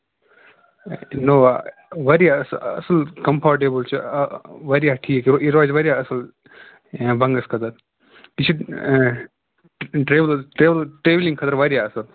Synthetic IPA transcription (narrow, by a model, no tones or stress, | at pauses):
noːʋɐɾiaɐsɐ̰səlkɐmpʰaːɾʈ̬eːbəlt͡ʃuʋɐɾiaʈʰiːkːiɾɔːd͡ʒʋɐɾijaɐsəl | bɐ̃ŋɡəskʰɐt̪əɾ | pit͡ʃʰi | ʈɾeːʋlʈeʋlʈɾeːʋlĩŋɡkʰɐt̪ɐɾʋɐɾijaɐsəl